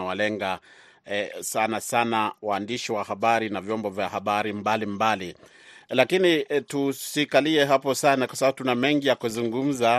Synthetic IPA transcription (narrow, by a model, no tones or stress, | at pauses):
awalɛŋɡa | sanasanawaːndiʃiwahaɓaɾinavjɔmbɔvjahaɓaɾimbalimbali | lakinitusikaliɛɦapɔsanakwasaɓaɓutunamɛŋɡijakuzuŋɡum̩za